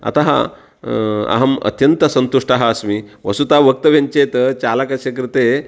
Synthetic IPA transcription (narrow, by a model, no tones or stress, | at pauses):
ɐ̰t̪aɦa̰ | ɐ̰ɦɐmɐ̰t̪jɐnt̪ɐsɐnt̪uʂʈaɦɐːsmiʋɐsut̪aʋək̚t̪ɐʋjeɲt͡ɕet̪ət͡ɕalakɐɕekɾit̪e